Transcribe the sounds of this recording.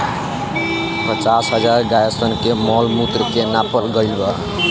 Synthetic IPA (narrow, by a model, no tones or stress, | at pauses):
pət͡ʃasɦəd͡ʒaɾɡajəsənkemɔlmut̪ɾəkenapəɾɡəɪlbə